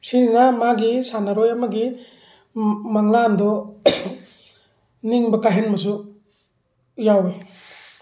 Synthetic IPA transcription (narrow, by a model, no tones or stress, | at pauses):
siɾinamaɡisanaɾojamɐɡi | maŋlandɔ | niŋbɐkaɦenmɐs̬u | jawe